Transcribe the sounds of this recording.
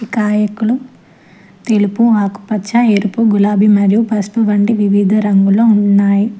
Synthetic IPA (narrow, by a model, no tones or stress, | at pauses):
ikaːjɐkulu | t̪elupuaːku̥pɐt͡ʃʰːaeɾupuɡulaːbʱimɐɾijupɐspuʋɐɳɖiʋiʋiːd̪ʱɐɾɐŋɡuloːuɳɳːaːji